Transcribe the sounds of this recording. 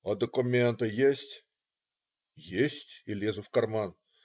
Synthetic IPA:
ɐd̪əkʊmʲent̪ɨjesʲtʲ | jesʲtʲilʲezʊfkɐrman

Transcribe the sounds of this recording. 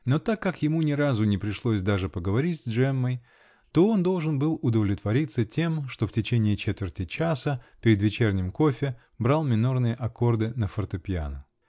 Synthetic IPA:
no̞t̪akːakjɪmunʲɪɾazʊnʲɪpɾʲɪʂlˠosʲd̪aʐɨpəɡəvɐɾʲitʲzʲdʐɛmːəj | t̪o̞o̞nd̪o̞lˠʐɨnbɨlˠʊd̪əvlʲɪt̪vɐɾʲit̪sətʲe̞mʂt̪o̞ftʲɪt͡ɕenʲɪːt͡ɕet̪vʲɪrtʲɪt͡ɕasəpʲɪɾʲɪd̪vʲɪt͡ɕernʲɪmko̞fʲɪ | bɾalˠmʲɪnornɨjəʔɐko̞rd̪ɨnəfərt̪əpʲɪja̰nə

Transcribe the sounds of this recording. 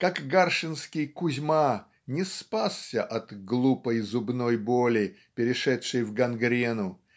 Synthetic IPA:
kakɡarʂɨnskʲɪjkʊzʲma | nʲɪspassʲəʔɐt̪ɡlˠupəjzʊbnojbolʲɪpʲɪɾʲɪʂɛtʂɨjvɡɐnɡɾʲenʊ

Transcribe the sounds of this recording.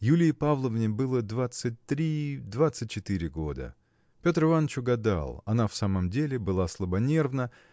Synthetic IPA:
julʲɪjəpavlˠəvnʲɪbɨlˠəd̪vat̪sɨt̚ʲt̪ɾʲid̪vat̪sɨt̚ʲt͡ɕːɪt̪ɨɾʲɪɡo̞d̪ə̰ | pʲo̞t̪rɨvanːət͡ɕʊɡɐd̪a̰lˠɐnafsaməmdʲelʲɪbɨlˠaslˠəbɐnʲe̞rvnə

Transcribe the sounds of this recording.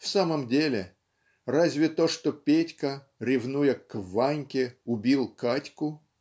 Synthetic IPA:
fsaməmdʲelʲɪ | razʲvʲɪt̪oʂt̪opʲetʲkə | ɾʲɪvnujəkvanʲkʲɪʊbʲilˠkatʲkʊ

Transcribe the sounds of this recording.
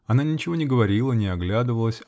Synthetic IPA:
ɐnanʲɪt͡ɕɪvonʲɪɡəvɐɾʲilˠənʲɪɐɡlʲad̪ɨvəlˠəsʲ

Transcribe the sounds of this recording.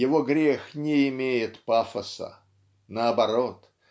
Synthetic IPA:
jɪvoɡɾʲexnʲɪɪmʲejɪt̪pafəsə̰ | nəɐbɐɾot̪

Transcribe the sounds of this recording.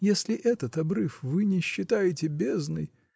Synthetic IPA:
jesʲlʲɪʔɛt̪ət̪ɐbɾɨfvɨnʲɪɕːɪt̪ajɪtʲɪbʲeznɨ̰j

